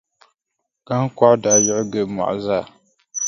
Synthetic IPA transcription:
ɡ̥a˦ŋ˦ka˦da˨jɔ˦ʔɡɛ˨ma̰˨ʔzaː˦˨

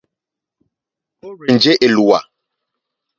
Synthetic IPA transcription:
o˦ɾe˨n˨d͡ʒe˦ʔe˨lu˨a˨

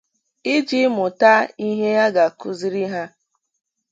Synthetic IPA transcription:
i˦d͡ʒi˦mʊ˨ta˦i˦ɦe˦ja˦ɡa˨kʊ˦zi˦ɾi˦ɦa˦

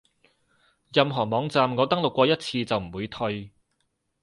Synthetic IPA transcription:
jɐ˨mɦɔː˨˩mɔː˨˧ŋt͡saː˨mŋɔː˨˧t̪ɐ˥ŋlʊ˨kːʷɔː˧jɐ˥t̚t͡sʰiː˧t͡sɐ˨wm̩˨˩wuː˨˧jt̪ʰɵ˧ɥ

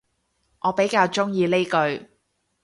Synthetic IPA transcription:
ʔɔː˨˧pe˨˥jkaː˧wt͡ʃʊ˥ŋjiː˧le˥jkɵ˧ɥ

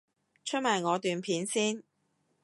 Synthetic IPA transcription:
t͡ʃʰt̚mɐ˨˩jŋɔː˨˧t̪yː˨npʰiː˨˥nsiː˥n

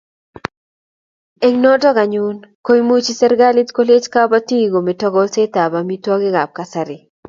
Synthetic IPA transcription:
e˦ŋnɔ˦tɔ˦ɡa˨ɲu˦nko˦i˦mu˦t͡ʃi˦sɛ˦ɾɡa˦li˦tko˦le˦t͡ʃka˦ba˦ti˦˨ɡo˨me˨tɔ˦ɡɔ˦lse˦ta˨ba˨mi˦twɔ˦ɡɪ˦ɡa˨p̚ka˨sa˨ɾɪ˨

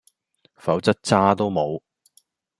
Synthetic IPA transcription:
fɐ˨˥wt͡sɐ˥t̚t͡saː˥t̪o˥wmo˨˧w

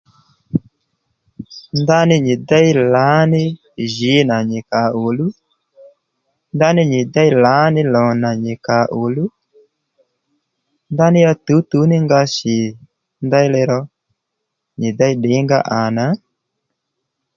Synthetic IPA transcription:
nda˦nɪ˦ɲɪ˨da˦i˦la˨˦nɪ˦ | ʒɪ˨˦na˨ɲɪ˨ka˨ʔo˨lu˦ | nda˦nɪ˦ɲɪ˨da˦i˦la˨˦nɪ˦lɔ˨na˨ɲɪ˨ka˨ʔo˨lu˦ | nda˦nɪ˦a˧tu˨˦t̪u˨˦nɪ˦ŋɡa˧sɪ˨ | nda˦i˦lɛ˧ɾɔ˧ | ɲɪ˨da˦i˦ɗɪ˨˦ŋɡa̰˦ʔa˨na˨˦

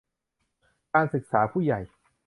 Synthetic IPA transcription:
kaː˧nsɯ˨˩k̚saː˩˦pʰuː˥˩˨ja˨˩j

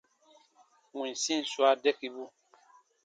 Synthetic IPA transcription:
ŋũ˨sĩ˦n˨swa˦dɛ˦ki˦bu˦

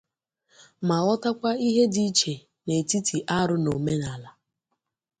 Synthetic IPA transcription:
ma˨ɔ˦ta˦kʷa˦i˦ɦe˦di˦t͡ʃe˨ | ne˨ti˦tʰi˨ʔa˦ɾʊ˦no˨me˦na˨la˨

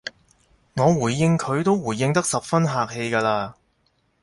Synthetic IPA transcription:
ŋɔː˨˧wuː˨˩jːɪ˧ŋkʰɵ˨˧ɥt̪o˥wwuː˨˩jːɪ˧ŋt̪ɐ˥k̚sɐ˨p̚fɐ˥nɦaː˨k̚he˧jkaː˧laː˧

